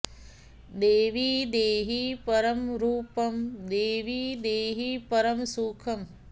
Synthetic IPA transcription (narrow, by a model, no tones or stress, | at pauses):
d̪eːʋid̪eːɦipɐɾɐmɾuːpɐmd̪eːʋiːd̪eːɦipɐɾɐmsuːkʰɐm